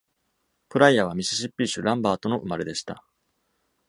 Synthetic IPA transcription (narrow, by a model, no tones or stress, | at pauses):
pɯ̟ɾaiaβ̞amʲiɕi̥ɕipʲːiɕɨɾãmbaːt̪o̞no̞ʔɯ̟̰maɾe̞d̪e̞ɕi̥t̪a̰